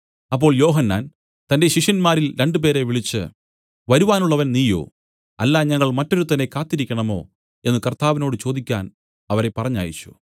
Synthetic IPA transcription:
ɐpːo̞ːɭjo̞ːɦɐnːa̰ːn | t̪ɐnde̞ɕiʂɐnmaːɾilɾe̞ɳɖɨp̬e̞ːɾe̞ʋiɭit͡ɕːɨ̰ | ʋɐɾuʋaːnuɭːɐʋɐnniːjo̞̰ː | ɐ̰lːaːɲɐŋːɐɭmɐtːo̞ɾut̪ɐnːe̞kaːt̪ːiɾikʲːɐɳɐmo̞̰ː | e̞nːɨkɐrt̪aːʋino̞ːɽɨt͡ɕo̞ːd̪ikʲːa̰ːn | ɐʋɐɾe̞pːɐrɐɲːa̰ːjit͡ɕːu̥

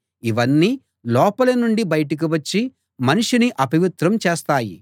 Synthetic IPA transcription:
iʋɐnːiː | lɔːpɐlɐnuɳɖibɐjɐʈɐk̬iʋɐt͡ʃːi | mɐniʂuniʔɐpiʋit̪ɾɐmt͡ʃeːst̪aːjḭ

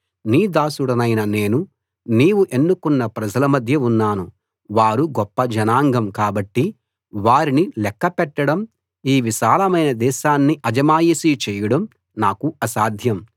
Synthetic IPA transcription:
niːd̪aːsuɽɐnɐjnɐne̞ːnu | niːwuʔe̞nːukunːɐpɾɐd͡ʒɐlɐmɐd̪ʱjɐunːaːnu | ʋaːɾuɡɔpːɐd͡ʒɐnaːŋɡɐmkaːbɐʈːi | ʋaːɾinilɛkːɐpɛʈːɐɽɐm | iːʋiʃaːlɐmɐjnɐd̪ɛːʃaːnːiʔɐd͡ʒɐmaːjisit͡ʃɛːjɐɽɐm | naːkuɐsaːd̪ʱjɐm

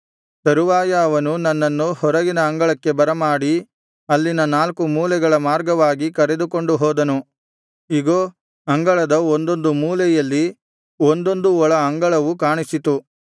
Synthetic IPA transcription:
sɐɾuʋaːjɐːʋɐnunɐnːɐnːuhɔɾɐɡinɐɐŋɡɐɭɐkːe̞bɐɾɐmaːɽi | ɐlːinɐnaːlkumuːlɛɡɐɭɐmaːɾɡɐʋaːɡikɐɾe̞d̪uko̞ɳɖuɦɔːd̪ɐnu | iɡoː | ɐŋɡɐɭɐd̪ɐond̪o̞nd̪umuːlɛjɐlːi | ond̪o̞nd̪uɔɭɐɐŋɡɐɭɐʋukaːɳisit̪u

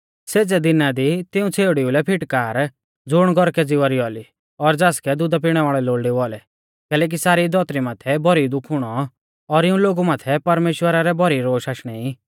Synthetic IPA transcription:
seːd͡zɛd̪ɪnad̪it̪ɪũt͡sʰeːɽiulɛpʰɪʈkaːɾ | d͡zʊɽ̃ɡɔɾkɛd͡zɪʋaɾiɔli | ɔɾd͡zaːskɛd̪ʊd̪ap̬iɽ̃ɛʋaːɭɛloːɭɖiʋɔlɛ | kɛːlɛːk̬isaːɾid̪ɔt̪ɾimaːt̪ʰɛbɔɾid̪ʊkʰʊɽ̃ɔ | ɔɾɪũloːɡumaːt̪ʰɛpɐɾmeːʃwəɾaɾɛbɔɾiɾoːʃaːʃɽ̃ɛi

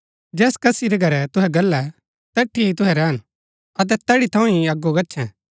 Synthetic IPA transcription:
d͡ʒɛːskɐsiɾɛɡʱɐɾɛt̪ʊɦɛɡɐlːɛ | t̪ɛʈʰːiit̪ʊɦɛɾɛːɦən | ɐt̪̬ɛt̪ɛɽit̪ʰɐũĩɐɡːoɡɐtːʃʰɛ̃

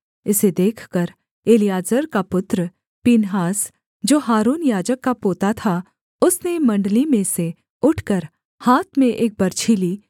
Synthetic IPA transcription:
ɪsed̪eːkʰkəɾ | eːlijaːd͡ʒəɾkapʊt̪ɾ | piːnɦaːs | d͡ʒoːɦaːɾuːnjaːd͡ʒəkkːapoːt̪at̪ʰa | ʊsnemɐ̃ɳɖlimẽse | ʊʈʰkəɾ | haːt̪ʰmẽʔeːk̚bɐɾt͡ʃʰiːliː

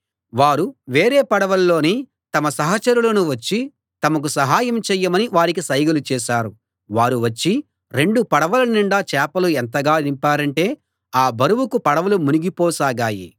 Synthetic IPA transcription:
ʋaːɾuʋe̞ːɾeːpɐɽɐʋɐlːo̞ːniː | t̪ɐmɐsɐɦɐt͡ʃɐɾulɐnuʋɐt͡ʃːi | t̪ɐmɐk̬usɐɦaːjɐmt͡ʃɛːjːɐmɐniʋaːɾikisɐjɡɐlut͡ʃɛːʃaːɾu | ʋaːɾuʋɐt͡ʃːi | ɾe̞ɳɖupɐɽɐʋɐlɐniɳɖaːt͡ʃɛːpɐluent̪ɐɡaːnimpaːɾɐɳʈe̞ː | aːbɐɾuwukupɐɽɐʋɐlumuniɡipɔːsaːɡaːjḭ

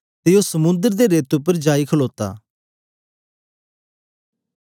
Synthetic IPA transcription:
t̪eosəmʊ̃nd̪əɾd̪eɾeːt̪ʊp̬ːəɾd͡ʒaːikʰəloːt̪a̰ː

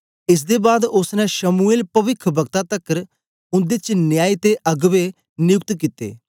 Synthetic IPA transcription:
ɪs̬d̪eːbaːd̪ʊsnɛ̃ʃəmueːlpəʋɪkʰbʱəɡt̪ãt̪əkəɾ | ʊ̃nd̪ɪt͡ʃnɪjaːit̪eʔəɡʋe | nɪjʊk̚t̪kit̪ḛː

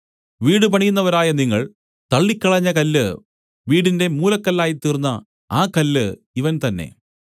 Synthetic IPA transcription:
ʋiːɽɨpɐɳijunːɐʋɐɾaːjɐniŋːɐɭ | t̪ɐɭːikʲːɐɭɐɲːɐkɐlːɨ | ʋiːɽinde̞muːlɐkːɐlːaːjit̪ːiːrunːɐ | aːkɐlːɨ | iʋɐnt̪ɐnːe̞̰

